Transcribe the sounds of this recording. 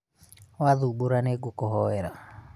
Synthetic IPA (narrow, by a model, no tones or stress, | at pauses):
waðuboɾaneɡokɔɦɔɛɾa